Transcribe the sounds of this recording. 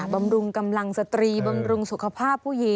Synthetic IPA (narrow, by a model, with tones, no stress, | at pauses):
ba˧mɾu˧ŋka˧mla˧ŋsa˧t̪ɾiː˧ba˧mɾu˧ŋsu˨˩kʰa˧pʰaː˥˩pʰːuː˥˩ji˨˦